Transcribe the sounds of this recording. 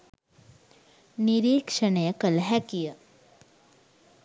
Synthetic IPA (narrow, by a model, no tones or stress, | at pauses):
niɾiːkʂənekəlɦɛkijə